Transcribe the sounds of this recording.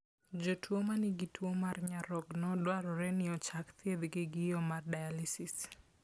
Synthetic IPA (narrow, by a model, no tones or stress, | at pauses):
d͡ʒotwomanɪɡɪtwomarɲaɾɔɡnɔdwaɾɔɾɛnɪɔt͡ʃakt̪jed̪ɡɪɡɪjɔmardajalisis